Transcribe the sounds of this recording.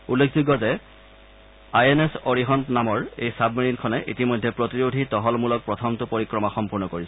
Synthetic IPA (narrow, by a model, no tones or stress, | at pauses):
ulːekʰzuɡːɔzɛ | ajenesoɹiɦɔntnamɔɹejsabmininkʰɔnɛʔḭtimɔjdʱːɛpɹotiɹodʱitɔɦɔlmulɔk̚pɹɔtʰɔmtʊpoɹikɹɔmaxɔmpuɹnɔkoɹisɛ